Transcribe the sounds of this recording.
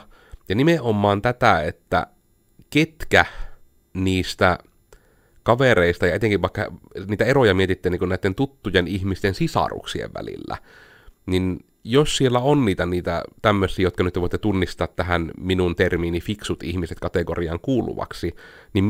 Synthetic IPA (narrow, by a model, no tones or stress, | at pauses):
jɑnimeʔʔomːɑːnt̪æt̪æet̪ːæ̰ | ket̪kæ | niːst̪æ | kɑʋereist̪ɑjɑet̪eŋkiʋʋɑˑikːɑniːt̪æerojɑmiet̪it̪ːeːniːŋkunnæit̪ːent̪ut̪ːujenihmist̪ensisɑ̰rṵksiḛʋʋæ̰lḭlːæ̰ | nin | jossielːæonniːt̪æniːt̪æ̰t̪æmːøsːˑiːjot̪̚kɑnyt̪ːeʋoit̪ːet̪unːist̪ɑːt̪t̪æhænminunt̪ermiːnifiksut̪ihmiset̪̚kɑt̪ekoriɑ̰ŋkuːlṵʋɑ̰ksi | nim